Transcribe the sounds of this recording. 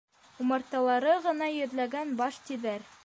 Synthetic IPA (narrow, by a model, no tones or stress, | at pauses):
umɑɾt̪ɑlˠɑɾɤʁɤ̆nɑjɵ̆ðlæɡænbɑʃt̪iðæɾ